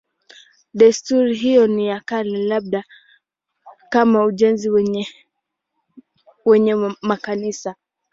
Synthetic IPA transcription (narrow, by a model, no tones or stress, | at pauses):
ɗastuɾiɦijɔnijakalilaɓ̚ɗa | kamauʄɛnziw | wɛɲɛmakanisa